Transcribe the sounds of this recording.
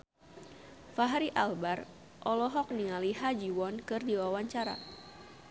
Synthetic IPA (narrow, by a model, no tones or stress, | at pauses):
faɦɾiʔalbar | ʔɔlɔɦɔk̚niŋaliɦad͡ʒiwɔnkɨrdiwawaɲt͡ʃaɾa̰